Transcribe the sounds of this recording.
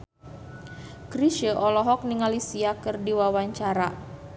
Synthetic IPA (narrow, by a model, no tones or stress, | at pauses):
kɾiʃəʔɔlɔɦɔk̚niŋalisiakɨrdiwawaɲt͡ʃaɾa